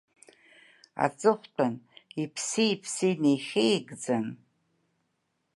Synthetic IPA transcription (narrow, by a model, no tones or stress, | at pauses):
a̰t͡sʼɨχʷtʰʼanipʰsiipʰsinejχʲejɡd͡zan